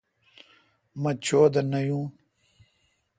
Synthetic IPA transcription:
mɐt͡ɕʰoːd̪ɐnɐjũː

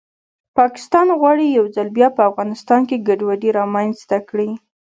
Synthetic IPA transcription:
pɑkɪ̥st̪ɑnɣwɑɽijawd͡zalbjɑpəafɣɑnɪst̪ɑnkeɡaɖwaɖiɾɑmanzt̪akɽi

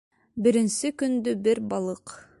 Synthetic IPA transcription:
bɘ̆ɾɘ̆nsɘkɵnd̪ɵbɘɾbɑlˠɤq

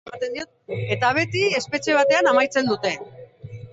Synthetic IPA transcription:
at̪end̪io̞t̪̚et̪aβ̞e̞t̪ie̞spe̞t͡ʃe̞β̞at̪e̞anamajt͡se̞nd̪ut̪e̞

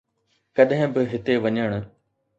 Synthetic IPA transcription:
kɐɗɦɪ̃bɪɦɪt̪eʋɐɲəɽ̃ʊ

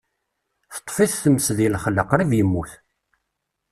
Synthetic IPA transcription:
θə̥t̪ˤːfiθθəməsðilχəlːəqɾivjəmːuθ

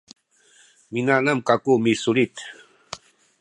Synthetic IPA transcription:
minanamkakumisʊlit̪

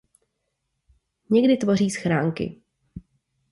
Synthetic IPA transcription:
ɲɛɡdɪt̪vo̞r̝iːsxɾaːŋkɪ̰

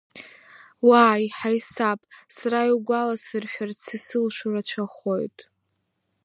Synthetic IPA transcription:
waːjħajsapʼsaɾaiwɡʷalasɨrħʷᶣart͡sʰɨsɨlʃurat͡ʃʷʰaχo̰jtʼ

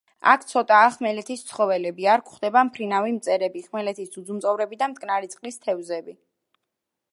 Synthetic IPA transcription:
a̰kʰt̪sʰɔt̪ʼaːχmɛlɛt̪ʰist̪sʰχɔvɛlɛbiaɾkʰχd̪ɛbampʰɾinavimt̪sʼɛɾɛbiχmɛlɛt̪ʰisd̪ud̪zumt̪ʼɔvɾɛbid̪amt̪ʼkʼnaɾit̪sʼqʼlist̪ʰɛvzɛbi

